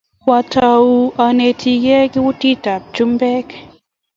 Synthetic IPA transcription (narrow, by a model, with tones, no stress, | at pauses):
wa˨tʰa˨u˦a˨ne˨tʰi˨ɡɛ˦ki˦wu˦ti˦ta˨p̚t͡ʃu˦mbɛ˦k